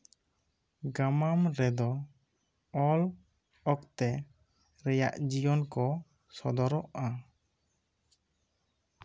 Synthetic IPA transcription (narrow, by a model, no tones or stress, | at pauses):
ɡamamɾɛd̪ɔ | ɔl | ɔk̚t̪ɛ | ɾɛja̰ʔd͡ʒijɔnkɔ | sɔd̪ɔɾɔʔa